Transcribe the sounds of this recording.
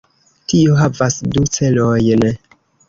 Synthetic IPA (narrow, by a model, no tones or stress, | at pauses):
tioɦavasdut͡se̞lojn